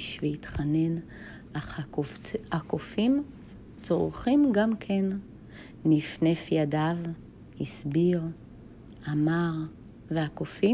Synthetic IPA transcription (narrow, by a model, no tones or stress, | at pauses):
ʃveitχane̞n | a | akofim | t͡soʁχimɡamkʰe̞nː | ifnefjadav | hisbiʁ | amaʁ | veakofi